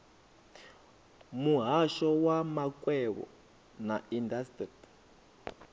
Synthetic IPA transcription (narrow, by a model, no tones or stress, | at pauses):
muɦaʃɔwamakʼwɛβɔ̰ | naindastrit